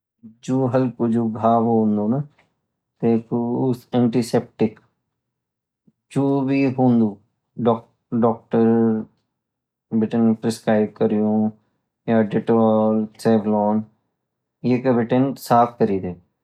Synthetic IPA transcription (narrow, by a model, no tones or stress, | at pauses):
d͡ʒoːɦəlkoːd͡ʒoːɡʱaːʋoːnd̪oːnə | t̪eːkʊsɛ̃ːɳʈiːsɛːp̚ʈɪk | d͡ʒoːbiːɦõːnd̪uː | ɖɔ | ɖɔːk̚ʈəɾ | bɪʈənpɾɪskɾaːɪb̚kəɾijõː | jaːɖɪʈɔːlsɛːblɔːn | jeːkəbɪʈənsaːpʰkəɾiːd̪eː